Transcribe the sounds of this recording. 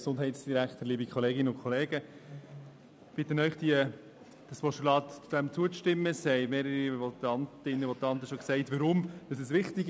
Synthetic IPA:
sʊndɦɛɪtsd̥iɾækχtəɾliːbikʰχɔleːɡɪnəʊnkʰɔleːɡə | b̥ɪt̪ːənœʏχd̥iə | d̥ɑspɔʃulɑːtt͡sud̥̪ɛmt͡suəʃtɪmːəshɛɪmeːɾəɾivɔt̪ɑntɪnːəvɔt̪ɑnt̪əʃɔksɛɪtʋəɾʊmd̥ɑsɛsʋɪχtɪɡ

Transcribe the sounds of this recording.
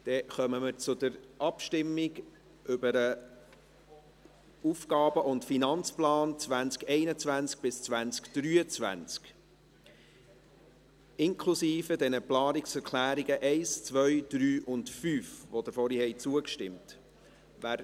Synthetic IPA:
d̥ɛχœməməɾt͡sʊd̥əɾʔɑpʃtɪmːɪɡ | ʔʏbəɾə | ufkɑːbəʔʊntfinɑnt͡splɑːnt͡sʋænt͡skɛɪnət͡svʋænt͡sk̚b̥ɪst͡sʋænt͡skd̥ɾyːət͡sʋæ̰nt͡sk | ɪŋkʰlusiːfədɛnəplɑːnɪksɛɾkʰlæːɾiɡəʔɛɪst͡sʋœʏd̥ɾyːʔʊndfyːfʋod̥̪əɾfɔɾihɛɪt͡suəkʃtɪmt | ʋæːɾ

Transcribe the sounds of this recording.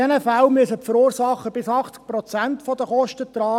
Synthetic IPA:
ɛnəfælmyəsəfəɾuːɾrsɑχːəbɪsɑχt͡sk̚pɾɔt͡sænt̪fɔd̪əχɔʃtət̪rɑː

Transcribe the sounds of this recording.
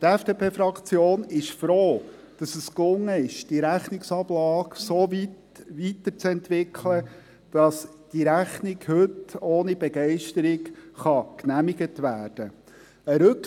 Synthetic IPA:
tɛfd̥eːpʰeːfɾɑkt͡sjoːnɪʃfɾoː | d̥ɑsəsklʊŋːəɪʃd̥iɾæχnɪksɑblɑːksoːvit | ʋitət͡sɛntʋɪkʰlə | d̥ɑs | d̥iɾæχnɪkhɵtoːnibɛɡɛɪʃtəɾɪkχɑknæmiɡətʋæːɾd̥ə | əɾɵk

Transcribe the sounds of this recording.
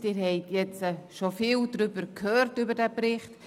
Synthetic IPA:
tɪɾhɛɪtjɛt͡səʃofiːldɾʏbəɾkʰhøːrtybəɾdɛːbɾɪχt

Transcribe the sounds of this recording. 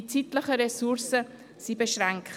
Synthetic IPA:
t͡sitləχəɾɛsuɾsə | sibeʃɾaŋkχ

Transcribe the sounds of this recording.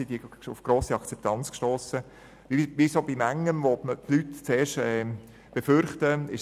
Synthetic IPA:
sid̥iʊfɡ̥ɾoːsiɑkt͡sɛp̚t̪ʰɑnt͡skʃtoːsə | ʋiʋisobimæŋːənʋomətlytt͡seːɾʃtɛː | b̥efʏɾχtəɪʃ

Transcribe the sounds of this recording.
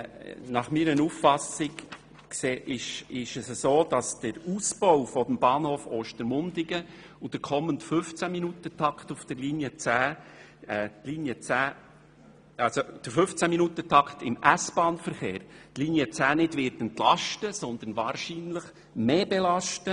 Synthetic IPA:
nɑχmiːɾənuffɑsɪk | kseːʔɪʃɪʃəsəsoːd̥ɑsd̥əɾusbɔwfɔd̥̪əmb̥ɑːnhoːfoːʃtəɾmʊnd̪ɪɡə | ud̥əɾkʰɔməntfʏft͡sæminut̪ətʰɑktufd̥əɾliːnjət͡sæː | ɛːt̪liːnjət͡sæː | ɑlsod̥əɾfʏft͡sæminutətʰɑkt̪ɪmæsb̥ɑːnfəɾχeːɾtliːnjət͡sæːnɪdvɪɾtəntlɑʃtəsɔnd̪ən̩vɑːɾʃiːnləχ | meːbɛlɑʃtə

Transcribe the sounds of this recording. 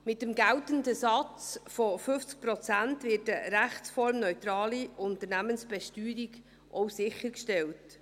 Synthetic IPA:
mɪtəmɡæltəndəsɑt͡sfofɵft͡sk̚pɾɔt͡sæntvɪːtəɾæχt͡sfɔɾmnœʏtɾɑːliʊnt̪ərnæmənsb̥ɛʃtyːɾiɡ | ʔɔwsɪχəɾkʃtɛlt

